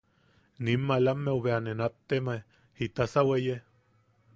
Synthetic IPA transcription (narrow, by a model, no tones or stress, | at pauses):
nimːalamːeuβeanenat̪ːemae | hit̪asaweje